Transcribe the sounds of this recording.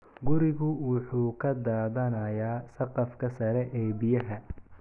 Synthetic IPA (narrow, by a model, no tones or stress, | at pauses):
ɡʊɾɪɣʊwʊħuːkʰɐd̪aːðɐnɐjaːsɐqɑfkʰɐsɐɾɛʔɛːbɪjɐɦɐ